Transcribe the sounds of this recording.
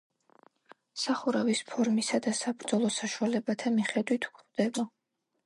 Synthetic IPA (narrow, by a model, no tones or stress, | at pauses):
saχuɾavispʰɔɾmisad̪asabɾd̪zɔlˠɔsaʃualɛbat̪ʰamiχɛd̪wit̪ʰu̥kʰvd̪̥ɛba